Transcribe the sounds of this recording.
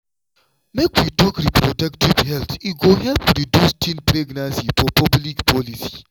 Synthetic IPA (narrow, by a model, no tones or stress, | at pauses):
mekwitɔkɾipɾɔdaktivhɛlt̪iɡoɦɛlpɾidjustʰĩnpɾeɡnãnsifɔpɔblikpʰɔlisi̥